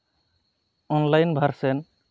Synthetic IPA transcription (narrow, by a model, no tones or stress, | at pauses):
ɔnlajnbʱaɾsɛn